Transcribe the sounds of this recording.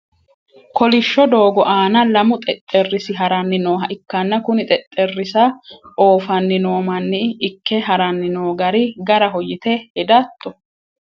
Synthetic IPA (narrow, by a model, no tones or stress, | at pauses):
kɔlɪʃːɔd̪oːɡɔʔaːnɐlɐmʊt̪ʼɛt̪ʼːɛrːɪsɪɦɐɾɐnːɪnoːɦɐʔɪkːɐnːɐkʊnɪt̪ʼɛt̪ʼːɛrːɪsɐoːfɐnːɪnoːmɐnːɪːkːɛɦɐɾɐnːɪnoːɡɐɾɪɡɐɾɐɦɔjɪt̪ɛhɛd̪aːt̪ʼːɔ